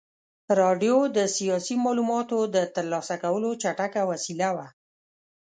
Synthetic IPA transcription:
ɾɑɖjod̪əsijɑsimɑlumɑt̪od̪ət̪əɾlɑsakawəlot͡ʃaʈakawasilawa

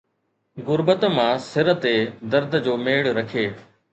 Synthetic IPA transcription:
ɣʊɾbət̪mãːsɪɾət̪eːd̪əɾd̪ʱd͡ʑoːmeːɽɾɐkʰeː

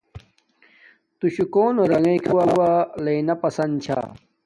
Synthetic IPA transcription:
t̪uɕukoːnoɾɐɡẽkʰiwawaleinɐpɐsɐnt͡ɕʰa̰ː

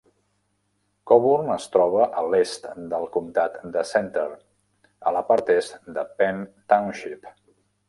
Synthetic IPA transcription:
kɔβurnəst̪ɾɔβ̞əʔəlest̪d̪əlˠkumt̪at̪d̪əsɛnt̪əɾ | ələpaɾt̪ɛst̪d̪əpɛnt̪awnʃip

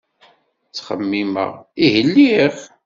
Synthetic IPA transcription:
t͡sːχəmːimə̰ʁihəlːiχ

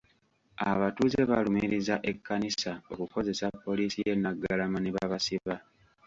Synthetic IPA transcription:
aβatuze̞βalumiɾizaʔe̞kːanisao̞kuko̞ze̞sapːo̞liːsije̞nːaɡːalamaneβaβasiβa

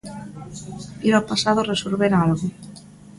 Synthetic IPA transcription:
iɾopasaðoresoɾβeɾalɣʊ

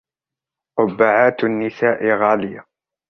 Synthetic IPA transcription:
ʔʊbːaʕaːt̪nːɪsaːʔɪɣaːlɪja

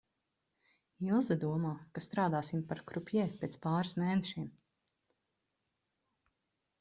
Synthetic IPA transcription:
ilˠzad̪uɔmaːkast̪ɾaːd̪aːsimpaɾkɾupʲjɛːpʲːeːt̪spaːɾsmeːnɛʃiɛm

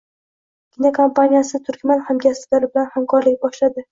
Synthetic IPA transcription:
ɡʲɪnakʰompanijasɪt̪ʰʊɾkʲmanhamɡʲaslaɾɪbɪlanhamkʰɒɾlɪk̚ʲbɒʃlad̪ɪ

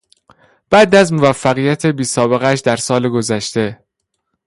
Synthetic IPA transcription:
b̥æd̪æzmovæfːæɣijæt̪ʰebiːsɒːbe̞ɣæʃd̪æɾsɒːleɡozæʃt̪e̞

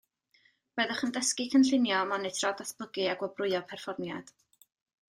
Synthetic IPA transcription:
b̥ɛðəχəndəskikʰənɬɪnjɔmanɪtʰrɔdaθb̥ʊɡɨaɡwɔbrʊɨɔpʰɛrfɔrmjad̥

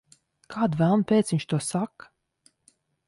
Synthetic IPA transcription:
kʰaːd̪vælˠnpʲet̪sviɲʲt͡ʃt̪uɔsak

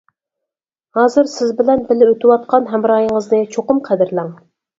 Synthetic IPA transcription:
hɑːzɨɾsɪzbɪlɛnbɪlɪøt̪ʰɪwɑt̪̚qʰɑnɦɛmɾɑːjəŋəznɨt͡ʃʰoqʊmqʰæd̪ɪɾlɛŋ

